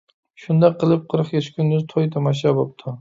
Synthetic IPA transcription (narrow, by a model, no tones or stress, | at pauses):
ʃʊnd̪aqʰɨlˠɨp̚qʰɨɾɨχeʃkʲʰʊnːɪzt̪ʰojt̪ʰamaʃ̬abop̚t̪ʰʊ